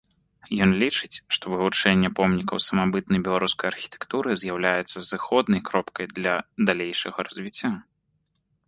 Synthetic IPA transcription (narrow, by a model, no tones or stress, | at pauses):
jɔnlʲit͡ʂɨt͡sʲʂt̪ɔvɨvut͡ʂɛnʲːɛpɔmnʲikɐwsɐmabɨt̪̚nɐjbʲɛlˠaɾuskɐjarxʲi̥t̪ɛ̥kt̪uɾɨzʲjawlʲajɛt̪sːɐzɨxɔd̪nɐjkɾɔpkɐjd̪lʲɐd̪alʲejʂɐɣɐɾɐzʲvʲit͡sʲːa